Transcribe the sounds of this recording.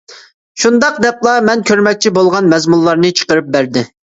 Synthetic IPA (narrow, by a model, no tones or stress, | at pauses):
ʃund̪ɑqd̪ɛplˠɑmɛnkʲʰøɾmɛk̚ʲt͡ʃʰibolˠʁɑnmɛzmunlːˠɑɾnɨt͡ʃʰə̥qəɾɨp̚bæɾd̪ɪ